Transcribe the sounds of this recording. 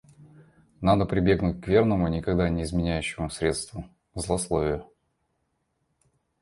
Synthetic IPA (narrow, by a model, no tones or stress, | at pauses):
nad̪əpɾʲɪbʲe̞ɡnʊt̚ʲkvʲe̞rnəmʊnʲɪkɐɡd̪anʲɪːzmʲɪnʲæjɕːɪmʊsɾʲe̞t̪st̪vʊ | zlˠɐslˠovʲɪjʊ